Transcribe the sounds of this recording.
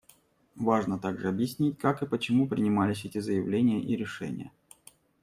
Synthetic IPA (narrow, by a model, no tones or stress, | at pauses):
vaʐnət̪aɡʐɨɐbjɪsʲnʲitʲkakɨpət͡ɕɪmupɾʲɪnʲɪmalʲɪsʲɛtʲɪzəjɪvlʲenʲɪjəʔiɾʲɪʂɛ̰nʲɪ̰jə̰